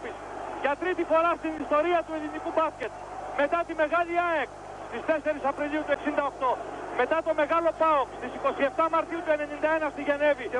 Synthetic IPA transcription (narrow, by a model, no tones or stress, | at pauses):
pisʝɐt̪ɾit̪ifo̞ɾɐst̪inist̪o̞ɾiɐt̪ue̞linikubɐsce̞t̪̚ | me̞t̪ɐt̪ime̞ɣɐʎiɐek | st̪ist̪e̞se̞ɾisɐpɾiʎiut̪ueksind̪ɐo̞kt̪o̞me̞t̪ɐt̪o̞me̞ɣɐlo̞pɐokst̪isiko̞sie̞ft̪ɐmɐɾt̪iut̪ue̞ne̞nind̪ɐe̞nɐst̪iʝe̞ne̞vi